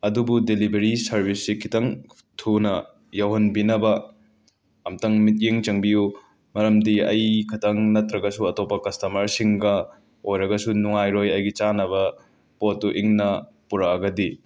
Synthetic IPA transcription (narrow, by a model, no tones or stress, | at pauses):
ɐdubudelibeɾisɐɾbisːikʰitɐŋ | tʰunɐ | jɐwɦɐnbinɐbɐ | ɐmtɐŋmit̚jeŋt͡ʃɐŋbiju | mɐɾɐmdiɐjkʰɐtʰɐŋnɐtɾɐɡɐsuɐtopːɐkɐstɐmɐɾsiŋɡɐ | ojɾɐɡɐsunuŋajɾojɐjɡit͡ʃanɐβɐ | potːuʔiŋnɐ | puɾaɐɡɐdi